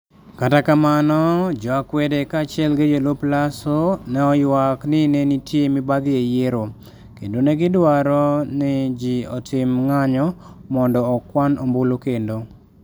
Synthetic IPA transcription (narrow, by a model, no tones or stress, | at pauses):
katakamanɔd͡ʒɔakwɛdekaːt͡ʃɪɛlɡed͡ʒoloplasonɛɔjwaknɪnenitʰjemɪbaɡɪejeɾo | kendonɛɡɪdwaɾɔnɪd͡ʒiɔtʰɪmŋaɲɔ | mɔndɔːkwanʔombolokendo